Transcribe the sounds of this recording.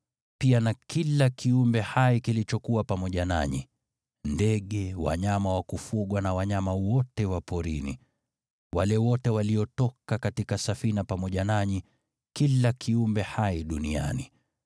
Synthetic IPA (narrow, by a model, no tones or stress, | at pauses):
pianakilakʰiumbɛhaikilit͡ʃɔkuwapamɔʄana̰ɲḭ | ndɛɠɛwa̰ɲamawakufuɠwanawaɲamawɔtɛwapɔɾḭnḭ | walɛwɔtɛwaliɔtɔkakatikasafinapamɔʄanaɲi | kilakʰiumbɛhaiɗunia̰ni